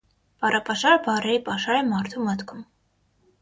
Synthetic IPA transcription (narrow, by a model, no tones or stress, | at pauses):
pɑrɑpɑʃɑɾbɑrɛɾipɑʃɑɾɛmɑɾt̪ʰumət̪kʰum